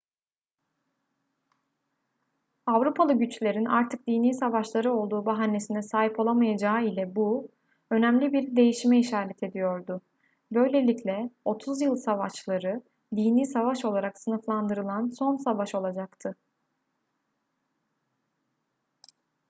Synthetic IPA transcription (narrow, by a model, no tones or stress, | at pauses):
avɾupʰalˠɯɟyt͡ʃlʲe̞ɾinʔa̰ɾt̪ʰɯk̚d̪iːniːsavaʃlˠaɾɯo̞lˠd̪uːbaɦanːe̞sinɛsaːɦipʰo̞lˠamajad͡ʒaːilʲɛbu | ø̞næmlʲibiɾd̪e̞jiʃimɛiʃaːɾɛt̪ʰe̞d̪ijo̞ɾd̪ʊ | bø̞jlʲe̞lʲiclʲɛo̞t̪ʰuzjɯlˠsavaʃlˠaɾɯ | d̪iːniːsavaʃo̞lˠaɾaksɯnɯflˠand̪ɯɾɯlˠanso̞nsavaʃo̞lˠad͡ʒakt̪ʰɯ